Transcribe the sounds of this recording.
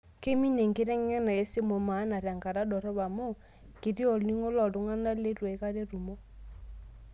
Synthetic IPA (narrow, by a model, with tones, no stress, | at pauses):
ke˦mi˦ne˨ŋke˦ɾɛ˦ŋ˦a˦na˨e˦se˦mo˨ma˨˦na˨ɾa˨ŋɡa˨ɾa˦dɔ˨ɾɔ˦βa˨mo˦ | ki˨ɾi˦ɔ˦˨lni˦ŋo˦lɔ˨do˨˦ŋa˦na˦le˦ɾwe˨˦ka˦ɾe˦ɾu˨mo˦